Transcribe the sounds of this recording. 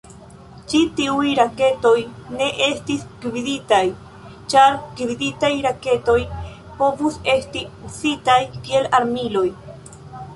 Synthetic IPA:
t͡ʃitiujɾake̞to̞jne̞ʔe̞stisɡibiditaj | t͡ʃaɾɡibiditajɾake̞to̞j | po̞vuse̞stiusitajkielaɾmilo̞j

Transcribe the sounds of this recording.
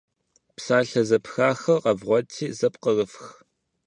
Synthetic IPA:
psaːɬɐzɐpxaːxɐrqɐvʁʷɔtʰiːzɐpqərəfx

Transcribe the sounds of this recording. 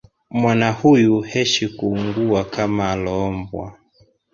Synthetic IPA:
mwanahujuhɛʃikuːŋɡuakamaːlɔːmbwa̰

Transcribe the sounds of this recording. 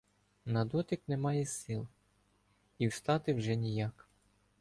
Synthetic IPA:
nɐd̪ɔt̪ʲɪknɛmɑjɛsɪlˠ | iwʃt̪ɑt̪ɪwʒɛnʲijɑk

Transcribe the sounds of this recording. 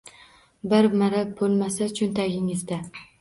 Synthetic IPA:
bɪɾmaɾap̚bolˠmasat͡ʃʰʊnt̪ʰaɡʲɪŋɪzd̪a

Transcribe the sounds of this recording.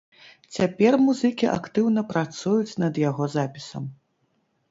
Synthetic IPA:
t͡sʲapʲɛrmuzɨkʲiʔa̰kt̪ɨwnɐpɾat̪sujut͡sʲnɐd̪jaɣɔzapʲi̥sɐ̰m

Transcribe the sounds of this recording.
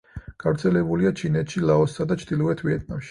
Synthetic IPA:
ɡ̥avɾt̪sʰɛlɛbuliat͡ʃʰinɛt̪ʃilˠaɔsːad̪at͡ʃʰd̪̥ilˠɔɛt̪ʰviɛt̪̚ʰnamʃi̥

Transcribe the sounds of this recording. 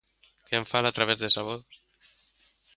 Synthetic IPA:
keaɱfalat̪ɾaβezðesaβo

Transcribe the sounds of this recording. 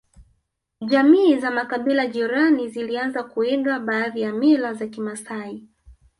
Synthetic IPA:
ʄamiːzamakaɓilaʄiɾanizilianzakuɛɡaɓaːðijamilazakimasai

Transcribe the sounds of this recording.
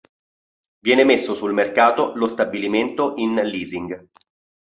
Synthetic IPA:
vjɛːnemesːosulmerkaːt̪olost̪abiliment̪oʔinliːziŋɡ

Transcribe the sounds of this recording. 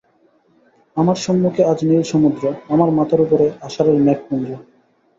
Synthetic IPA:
amaɾʃɔmːukʰead͡ʑnilʃɔmud̪ɾoamaɾmat̪ʰaɾupoɾeaʃaɾeɾmɛk̚pund͡ʑo

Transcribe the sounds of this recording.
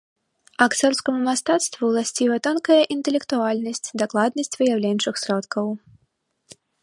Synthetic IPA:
akt̪sɔrskɐmumast̪at̪st̪vuwlˠasʲt͡sʲivɐt̪ɔnkɐjɐʔint̪ɛlʲɛkt̪ualʲnɐsʲt͡sʲd̪aklˠad̪nɐsʲt͡sʲvɨjawlʲɛnʲt͡ʂɨxsʲɾɔt̪kʰɐw

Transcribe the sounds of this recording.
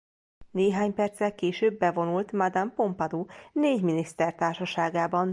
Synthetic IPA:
neːɦaːɲpɛrt̪srɛlkeːʃøːbːɛvo̞nult̪mɒd̪ampo̞mpɒd̪uːneːɟminist̪ɛrt̪aːrʃɒʃaːɡaːbɒn

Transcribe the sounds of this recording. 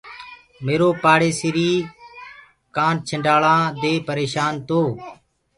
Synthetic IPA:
meːɾoːpaːɽeːsɪɾiː | kãːnt͡ʃʰəɳɖaːɭãːd̪eːpəɾeːʃaːnt̪oː

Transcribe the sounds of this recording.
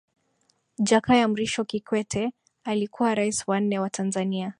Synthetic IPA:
d͡ʒakajam̩ɾiʃɔkikwɛtʰɛ | alikuwaɾaisiwan̩nːɛwatʰanzania

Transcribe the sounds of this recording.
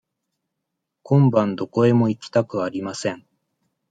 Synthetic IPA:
kõ̞mbãnd̪o̞ko̞e̞mo̞ikʲi̥t̪akɯ̟aɾʲimasẽ̞ɴ

